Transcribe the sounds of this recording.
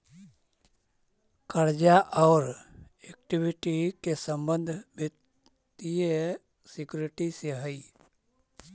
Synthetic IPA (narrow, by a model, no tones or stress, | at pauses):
kəɾd͡ʒaʔɔːɾ | ek̚ʈibiʈikesə̃mbə̃nd̪ʱbə | t̪ie | sɪkjuɾɪʈiseɦəi